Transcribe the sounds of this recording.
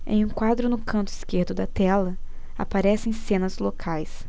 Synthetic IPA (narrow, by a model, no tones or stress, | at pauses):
ḛ̃j̃ũkwad̪ɾʊnʊkɐ̃nt̪ʊiskeɾd̪ʊd̪ɐt̪ɛlɐ | a̰paɾɛsẽj̃sẽnɐzlokʰajs